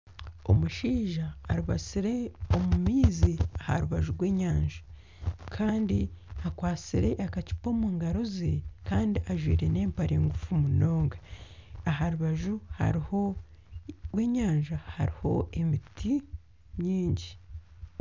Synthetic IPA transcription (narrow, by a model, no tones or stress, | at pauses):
o̞̰muʃiːʒaːɾuβa̰t͡siɾe̞omumiːziaha̰ɾuβaʒuɾɡwe̞ːɲaːɲʒḁ | kʰaːndiakwaːt͡siɾe̞ʔakaci̥po̞ːmuːŋɡaɾozekaːndiʔaʒwḭːɾe̞ne̞ːmpaɾeːŋɡufumuno̞ːŋɡaaɦaɾuβaʒuha̰ɾiho | we̞ːɲaːɲʒahaɾiho̞̰e̞mitʰi | ɲɲiːɲɟi